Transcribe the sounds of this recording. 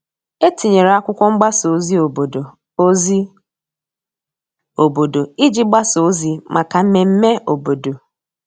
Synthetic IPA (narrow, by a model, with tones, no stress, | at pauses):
e˦ti˨ɲe˨ɾe˨a˦kʷʊ˦kʷɔ˦ŋ͡m̩˦ɡ͡ba˦so˨zi˦o˨bo˨do˨˦ | zi˦ | o˨bo˨do˨i˦d͡ʒi˦ɡ͡ba˦so˨˦zi˨mʔa˨ka˨m̩˦me˨m̩˦me˦o˨bo˨do˨